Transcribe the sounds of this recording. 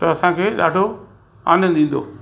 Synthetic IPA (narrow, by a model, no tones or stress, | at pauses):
t̪ɐɐsãkʰeːɗaːɖʱo | a̰ːnəd̪ĩːn̆d̪o̰ː